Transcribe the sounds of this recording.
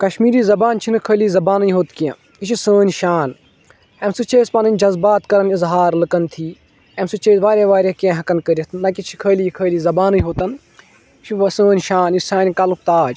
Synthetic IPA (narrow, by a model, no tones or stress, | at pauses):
kɐʃmiːɾiːzɐbaːnt͡ʃʰinɨkʰəːliːzɐbaːnɨjɦoːt̪kiã̰ | it͡ʃʰisəːnʲʃaːn | emsɨt͡ʃeːspɐnɐnʲd͡ʒɐzbaːt̪kɐɾɐnizɦaːɾlɨkɐnt̪ʰiː | emsɨt͡ʃeːsʋaːɾʲeʋaːɾʲekẽɦɐkɐnkəɾʲɐt̪ʰnɐkʲit͡ʃʰi̥kʰəːliːkʰəːliːzɐbaːnɨjɦoːt̪ɐn | it͡ʃʰisə̃ːnʲʃaːnisʲsãːnʲkɐluk̚t̪aːd͡ʒ